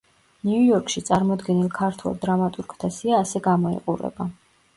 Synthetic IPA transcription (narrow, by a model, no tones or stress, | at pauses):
niujɔɾkʰʼʃit̪sʼaɾmɔd̪ɡɛnilˠkʰaɾt̪ʰwɛ̰lˠd̪ɾamat̪ʼuɾɡʰt̪ʰasiaːsɛɡamɔḭqʼuɾɛ̰ba